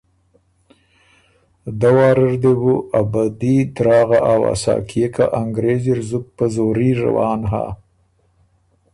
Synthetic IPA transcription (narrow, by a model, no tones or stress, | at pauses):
d̪awɑːɾəɾd̪ebuʔabad̪id̪ɾɑːɣaʔawa̰sɑ̰ːkʰijeka̰ʔaŋɡɾeziɾzʊk̚pəzoɾiɾa̰wɑːnɦa̰